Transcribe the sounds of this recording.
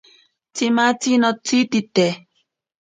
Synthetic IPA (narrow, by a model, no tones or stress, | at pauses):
timatinɔtititɛ